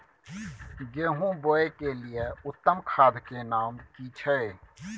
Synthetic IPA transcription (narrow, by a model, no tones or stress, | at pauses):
ɡeːɦũboːekelijeʊt̪ːəmkʰaːd̪ʱkenaːmkiːt͡ʃʰəe